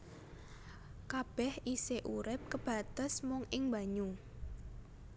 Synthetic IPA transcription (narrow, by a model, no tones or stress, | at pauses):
kab̥ɛhʔiseʔuɾɪp̚kəb̥a̤t̪əsmʊŋɪŋba̤ɲʊŋ